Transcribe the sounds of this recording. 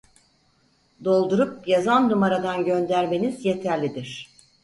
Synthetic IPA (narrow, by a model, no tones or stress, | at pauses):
d̪o̞lˠd̪uɾup̚jazannumaɾad̪anɟø̞nd̪æɾme̞nizje̞t̪ʰæɾlʲid̪iɾ̝̥